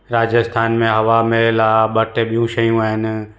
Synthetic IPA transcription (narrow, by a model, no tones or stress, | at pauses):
ɾaːd͡ʒəst̪ʰaːnmẽɦɐʋamelaːɓɐʈʰeɓijũʃɐjũaːɦɪnɪ̆